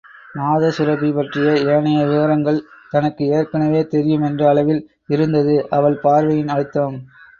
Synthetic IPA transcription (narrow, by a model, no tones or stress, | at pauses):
maːðɐsɪɾɐpːipɐʈrɪjɐeːɐnɐjɐʋɪʋɐɾɐŋɡɐɭt̪ɐnɐkːɯeːɾkːɐnɐʋeːt̪ɛɾɪjɯmɛndrɐːɭɐʋɪl | ɪɾɯnd̪ɐðɯʔɐʋɐɭpaːɾʋɐjɪnɐɻɪt̪ːaːm